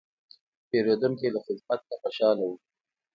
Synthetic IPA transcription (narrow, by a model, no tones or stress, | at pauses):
peɾod̪uŋkelaxɪd̪fat̪̚naxaʃɑlawu